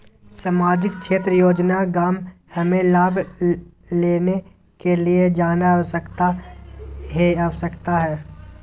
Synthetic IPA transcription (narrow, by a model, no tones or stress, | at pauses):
saːmaːd͡ʒɪk̚ʃeːt̪ɾəjoːd͡ʒnaɡaːmhɐmẽlaːbʱ | leːne | kelied͡ʒaːnaʋsəkt̪a | ɦeaʋsəkt̪aɦɛː